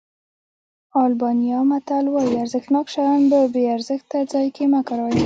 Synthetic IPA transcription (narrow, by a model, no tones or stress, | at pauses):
ɑlbɑnijɑmat̪alwɑjiaɾzəxt̪nɑkʃajɑnbəbeaɾzɪxt̪ad͡zɑjkemakaɾɑw